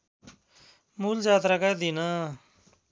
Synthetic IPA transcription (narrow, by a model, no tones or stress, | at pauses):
muːld͡zaːt̪ɾakajd̪ina